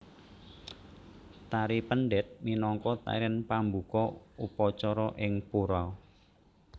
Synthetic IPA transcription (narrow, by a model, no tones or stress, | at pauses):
t̪aɾipənɖɛt̪̚minɔŋkɔt̪a̰ɾɛnpambukɔupɔt͡ʃɔɾɔʔɪŋpuɾaw